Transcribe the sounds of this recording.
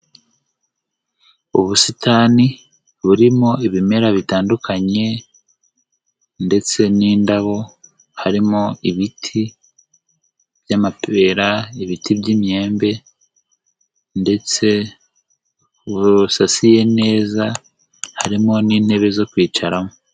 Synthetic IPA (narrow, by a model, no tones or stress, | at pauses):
uβusitaːni | βuɾimo̞iβime̞ɾaβitaːndukʰaɲe̞ | nde̞t͡se̞niːndaβo̞ | haɾimo̞iβitʰi | β̥jamapʰe̞ɾaiβitʰiβɟimɲe̞ːmbe̞ | nde̞t͡se̞ | uβusasije̞ne̞ːza | haɾimo̞niːn̥he̞βe̞zo̞kwiːt͡ʃaɾamo